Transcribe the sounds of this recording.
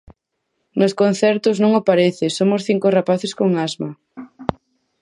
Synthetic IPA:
noskon̟θɛɾt̪ʊznõŋopaɾeθesomosθiŋkorapaθeskoŋazma

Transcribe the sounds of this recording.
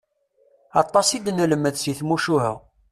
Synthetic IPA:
ɑt̪ˤːɑsˤid̪næləmːəðsjiθmuʃuhə̰

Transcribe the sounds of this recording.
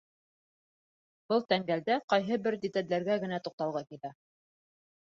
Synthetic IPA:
bɤlˠt̪æŋɡæld̪æqɑjɦɤbɘɾd̪it̪ællæɾɡæɡɘ̆næt̪uq̚t̪ɑlˠʁɑkilæ

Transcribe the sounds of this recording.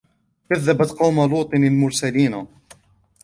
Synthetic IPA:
kaðːabat̪qɑwmaluːt̪ˤɨnalmʊɾsaliːna

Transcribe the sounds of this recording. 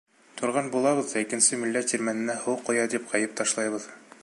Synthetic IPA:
t̪ʰŏɾʁɑnbulˠɑβɤ̆ðd̪ɑikɘ̆nsɘmilːæt̪ːiɾmænɘ̆næhuwqːŏjɑd̪ipqɑjɤp̚t̪ɑʃlˠɑjβɤð

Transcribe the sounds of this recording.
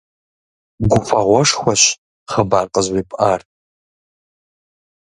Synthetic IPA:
ɡʷʊfɐʁʷɔʂxʷɐɕ | χəbaːrqəzwiːpʼʔaːr

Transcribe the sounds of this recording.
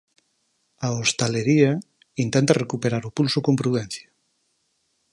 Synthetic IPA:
aost̪aleɾia | int̪ẽnt̪arekupeɾaɾupulsokompɾuðɛn̟θja

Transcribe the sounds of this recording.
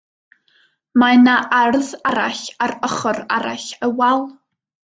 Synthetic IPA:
manaʔarðaɾaɬarəχɔraɾa̰ɬəwalˠ

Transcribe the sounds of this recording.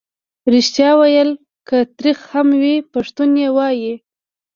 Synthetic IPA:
ɾiʃt̪jɑwajəl | kət̪ɾixhamwipaʂt̪unjewɑji

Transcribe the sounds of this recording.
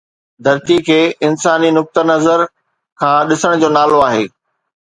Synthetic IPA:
d̪ʱɐɾt̪ikʰeːɪnsaːninʊk̚t̪ənɐzəɾ | kʰãːɗɪsəɽ̃d͡ʑoːnaːloaːɦḛː

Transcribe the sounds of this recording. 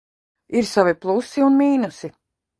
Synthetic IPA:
iɾsaviplˠusiunmiːnusi

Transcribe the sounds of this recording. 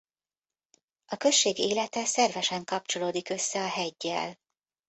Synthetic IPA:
ʔɒkø̞ʃːeːɡeːlɛt̪ɛsɛrvɛʃɛŋkɒp̚t͡ʃo̞loːd̪ikø̞sːɛɒɦɛɟːɛ̰l

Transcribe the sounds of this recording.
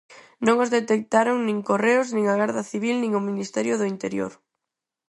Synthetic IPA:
nõŋozðet̪ek̚t̪aɾoŋnĩŋkoreʊznĩŋaɣaɾðɐθiβ̞ilnĩŋominist̪ɛɾjʊðʊint̪eɾjo̰ɾ

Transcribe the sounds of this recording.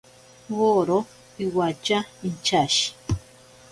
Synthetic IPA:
woɾo | iwat͡ʃaint͡ʃaʃi̥

